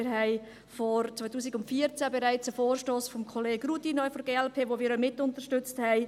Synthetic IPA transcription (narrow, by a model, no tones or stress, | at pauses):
ɪɾɦɛɪ | fɔɾt͡sʋaɪtʰuːsiɡʊntfiəɾt͡sæbeɾaɪt͡səfoːrʃtoːsfɔmkʰoleːɡrutinɔɪfɔɾɡeːɛlpʰeːʋoːmɪːɾœmɪtʊntəʃtʏt͡sthɛɪ